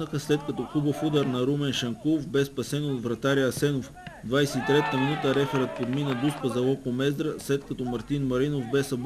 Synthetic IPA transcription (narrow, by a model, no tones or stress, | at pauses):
əxəslɛt̪kɐt̪ɔxubəfud̪əɾnɐɾumɛnʃɐŋkuofbɛspɐsɛnod̪vɾɐt̪aɾiɐsɛnof | d̪vajsɛt̪it̪ɾɛt̪əminut̪əɾɛxəɾət̪̚pod̪minəd̪uspəzɐlˠɔkomɛzd̪ɾəslɛt̪kɐt̪ɔmɐɾt̪inmɐɾinofbɛsɐb